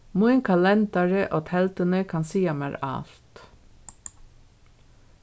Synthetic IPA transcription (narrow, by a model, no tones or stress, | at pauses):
muɪŋkʰɑlɛnd̪ɑɹəʔoːt̪ʰɛlt̪ənəkʰɑnsiːɑmæːɾɑ̰lt̪